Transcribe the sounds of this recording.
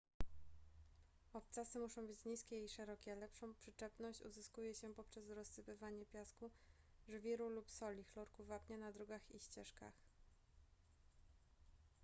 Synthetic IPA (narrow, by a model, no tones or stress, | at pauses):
ɔp̚t̪sasɘmuʂɔ̃w̃bɘt͡ɕɲiskʲɛiʂɛɾɔkʲɛalɛpʂɔ̃w̃pʂɘt͡ʂɛpnɔɕt͡ɕṵzɘskujɛɕɛpɔpʂɛsɾɔsːɘpɘvaɲɛpʲjasku | ʐvʲiɾulupsɔlʲixlɔɾkuvapɲanad̪ɾɔɡaxiɕt͡ɕɛʂka̰x